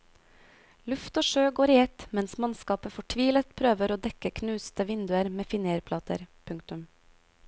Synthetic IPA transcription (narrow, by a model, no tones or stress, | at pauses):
lʉft̪oːʃøːɡoːɾɪːɛt̪mɛnsmɑnskɑːpəfɔʈʰʋiːlət̪pʰɾøːʋəɾoːd̪ɛkəkʰnʉːst̪əʋɪnd̪ʉəɾmeːfɪneɾpʰlɑːt̪ə̰ɾpʰʉŋkt̪ʉm